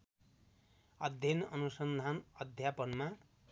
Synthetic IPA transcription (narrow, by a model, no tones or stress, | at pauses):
ʌd̪ʱjʌnʌnusʌnd̪ʱanʌd̪ʱjapʌnma